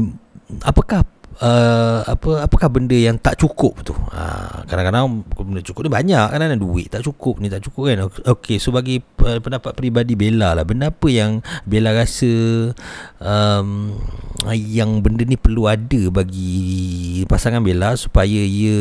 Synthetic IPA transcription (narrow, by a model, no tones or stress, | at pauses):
a̰pəkahəa̰pəapəkahbəndəjaŋt̪aʔt͡ʃukʊp̚t̪uhə̰kadaŋkadaŋkunat͡ʃu̥kʊp̚nibaɲaʔkadanaduɪ̰ʔ̪t̪aʔt͡ʃukʊp̚nit̪aʔt͡ʃukʊp̚kanokesobaɡiəpəndapat̪̚pɾibadibelalahbəndəapəjaŋbelaɾasə | əm | jaŋbəndənipərluadəbaɡi | pasaŋanbelasu̥pajəiə